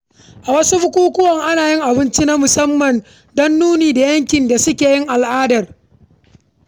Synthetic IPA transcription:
ʔa˨wɐ˦su˦ɸʊ˦kʷuː˦kʷʊ˦wɐ˨ŋʔa˦naː˨jɪ˦ŋʔa˨bɪ˦nt͡ʃi˦na˦mʊ˨sɐ˦mːɐ˨n | dɔ˦nːuː˦niː˨da˨jɐ˦ŋkʲɪ˨nda˨sʊ˦kʲeː˨jɪ˦ŋʔa˨lʔaː˦dɐ˨r

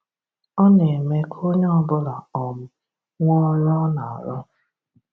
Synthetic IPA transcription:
ɔ˦ne˨me˦kʰo˦ɲ˦ɔ˦bʊ˦la˨ɔ˨mʊ˦ | ŋʷɔ˦ɾɔ˦na˨a̰˨ɾɔ˦

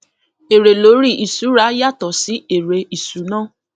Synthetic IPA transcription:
e˨ɾe˨lo˨˦ɾi˦˨ʔi˨su˨˦ɾa˨˦ja˦˨tɔ˨si˨˦e˨ɾe˧i˨su˨˦nãː˦˨

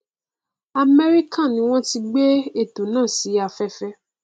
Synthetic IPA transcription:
a˨me˦ɾi˦kã˦˨nĩ˦w̃ɔ̃˦ti˧ɡ͡be˦e˦˨tõ˨nãː˦˨si˨˦a˨fɛ˧fɛ˦˧

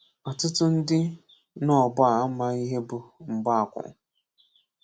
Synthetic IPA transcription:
ɔ˨tʊ˦tʊ˦n̩˦dɪ˦ | nɔ˦˨ba˨a˦ma˦i˦ɦe˦bʊ˨m̩˨ba˦a˨kʷʊ̰˨

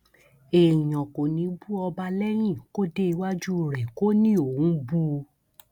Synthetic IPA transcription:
ẽ˨ɔ̃˨ko˨nĩ˨˦bu˦ɔ˧ba˧lɛ˦j̃ĩ˦˨ko˦de˦i˧wa˦d͡ʒu˦˨ɾɛ˨ko˦nĩ˦o˨wũ˨˦bu˦˧

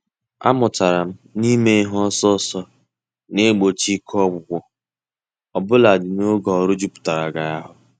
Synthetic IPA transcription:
a̰˦mʊ˨ta˨ɾa˨m̩˦ni˦me˦ɦɔ˦sɔ˦sɔ˦ | ne˦ɡ͡bo˨t͡ʃi˦kʰɔ˦ɡ͡bʷʊ˨ɡʷɔ˦ | ɔ˨bʊ˦la˨dɪ˨no˦ɡɔ˨ɔ˨ɾʊ˦d͡ʒu˦pʊ̥˨ta˨ɾa˨ɡa˨ja˦ɦʊ˨

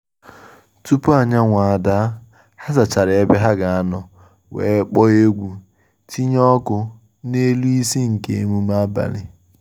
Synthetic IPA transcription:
tu˦pu˦a˨ɲa˦ŋʷa˨a˨da˦ | ha˦za˨t͡ʃa˨ɾe˨e˦be˦ɦa˦ɡa˨a˦nɔ˨ | wḛː˨˦k͡pɔ˦e˦ɡʷu˨ | ti˦ɲɔ˦kʊ˦ | ne˦lu˦i˦si˦ŋ̩˨ke˦e˦mu˦ma˦ba̰˨lɪ˨

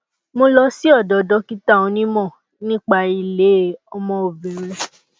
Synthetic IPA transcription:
mo˧lɔ˧si˦ɔ˦˨dɔ˨dɔ˨˦ki˦ta˦˨õ˧nĩ˦mɔ̃˦˨ | nĩ˦k͡pa˧i˧˨le˨˦˨ɔ˧mɔ̃˧o˨bĩ˨ɾi˧˦

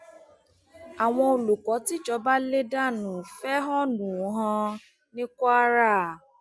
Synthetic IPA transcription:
a˨w̃ɔ̃˧o˧lu˨kɔ˨˦ti˦t͡ʃɔ˨˧˦ba˦le˦da˦˨nũ˨fɛ˦ɦɔ˦nũ˨˦ɦã˧ | nĩ˦kɔ˦a˦ɾa˦˨

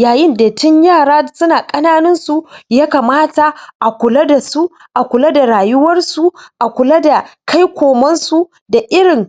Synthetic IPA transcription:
jaː˨jɪ˦nda˨tʊ˦ɲjaː˦˨ɽaː˦sʊ˦naː˨kʼɐ˦naː˦nʊ˦nsu˨jaː˦ka˨maː˦ta˨ʔa˨kʷʊ˨la˦da˨su˦ | ʔa˨kʷʊ˨la˦da˨ɽaː˨jʊ˦wɐ˦rsu˨ʔa˨kʷʊ˨la˦da˨kʰa˦jkʷoː˨mɐ˦nsu˦˨ | da˨ʔɪ˦ɽɪ˨ŋ

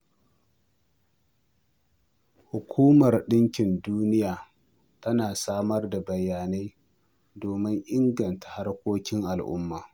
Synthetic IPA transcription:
hʊ˨kʷʰuː˦mɐ˨rɗɪ˦ŋkʲɪ˨nduː˦nɪ˦jaː˨ | tɐ˦naː˨saː˦mɐ˦rda˨bɐ˨jːaː˨neː˦ | doː˨mɪ˦ŋʔɪ˦ŋɡɐ˨ntḁ˨ha˦rkʷoː˦kʲɪ˦ŋʔa˨lʔʊ̰˦mːaː˨

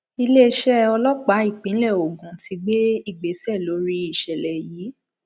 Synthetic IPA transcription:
i˧le˦˧ʃɛ˦ɔ˧lɔ˦k͡pa˨˦i˦˨k͡pĩ˨˦lɛ˦˨o˨ɡũ˨ti˧˦ɡ͡be˦i˦˨ɡ͡be˨˦sɛ˦˨lo˨˦ɾi˦i˦˨ʃɛ˨lɛ˨jiː˨˦

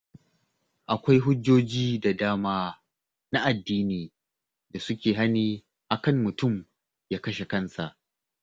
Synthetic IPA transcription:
ʔa˨kʷa˦jɦʊ˦d͡ʒːoː˦d͡ʒiː˦da˨daː˦maː˦ | na˦ʔa˨dːiː˦niː˨ | da˨sʊ˦kʲeː˨ɦa˦niː˦ | ʔa˨kɐ˦mːʊ˨tʊ˦˨m | jaː˦kɐ˦ʃe˨kɐ˦nsa˨ʔ

